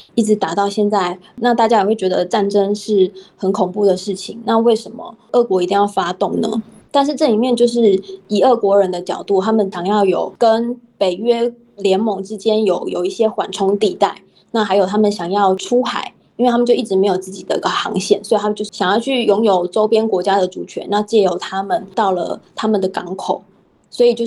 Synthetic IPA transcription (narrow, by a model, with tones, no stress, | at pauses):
i˥˩ʈ͡ʂɻ̩˧˥t̪a˨˩t̪ɑ˥˧ʊɕjɛ˥˧nt͡sa˥˩ɪ | na˥˧t̪a˥˩t͡ɕja˥jɛ˨˩xwe˥˩ɪt͡ɕɥɛ˧˥d̪ə˧˨ʈ͡ʂa˥˩nʈ͡ʂə˥ŋʂɻ̩˥˩xə˨˥nkʰʊ˨˩ŋpu˥˩d̪ə˩ʂɻ̩˥˩t͡ɕʰi˨˩˦ŋna˥˧we˥˩ɪʂə˧˥nmə̰˨˩ʔɤ˥˩kwɔ˧˥i˧˥t̪i˥˧jɑ˥˩ʊfa˥t̪ʊ˥˩ŋnə̰˩˦ | t̪a˥˧nʂ̬ɻ̩˥˧ʈ͡ʂɤ˥˩li˨˩mjɛ˥˧nt͡ɕjo˥˧ʊʂ̬ɻ̩˥˩i˨˩ə˥˩kwɔ˧˥ɻə˧˦nd̪ə˧t͡ɕjɑ˨˩ʊt̪u˥˩t̪ʰa˥mə˨nɕɑ˨˩ŋjɑ˥˩ʊjo˨˩ʊkə˥npe˨˩ɪɥɛ˥ | ljɛ˧˥nmʊ˧˩ŋʈ͡ʂɻ̩˥t͡ɕjɛ˥njo˨˩˦ʊjo˨˩ʊi˥˩ɕjɛ˥xwa̰˨˩nʈ͡ʂʰʊ˥ŋt̪i˥˧t̪a˥˩ɪ | na˥˩xa˧˥ɪjo˨˩ʊt̪ʰa˥mə˨nɕjɑ˨˩ŋjɑ˥˩ʊʈ͡ʂʰu˥xa̰˧˩˦ɪ | i˥nwe˥˩a˥mə˨t͡ɕjo˥˧ʊi˥˩ʈ͡ʂɻ̩˧˥me˧˥ɪjo˨˩t͡sɹ̩˥˩t͡ɕi˨˩d̪ə̰˦˥ɡə˧˩xɑ̰˧˥ŋɕjɛ̰˥˩nswɔ˧˥i˨˩a˥m˨t͡ɕjo˥˧ʊ˥˩ɕjɑ˨˩ŋjɑ˥˧ʊt͡ɕʰy˥˩jʊ˧˥ŋjo˨˩ʊʈ͡ʂo˥ʊpjɛ˥nkwɔ˧˥t͡ɕja˥d̪ə˨ʈ͡ʂu˨˩t͡ɕʰɥɛ̰˧˥na˥˧t͡ɕjɛ˥˩jo˨˩ʊt̪ʰa˥mə˨nt̪ɑ˥˩ʊlə̰˩t̪ʰa˥mə˨nd̪ə˩kɑ˧˥ŋkʰo˨˩ʊ | swɔ˧˥i˨˩t͡ɕjo˥˧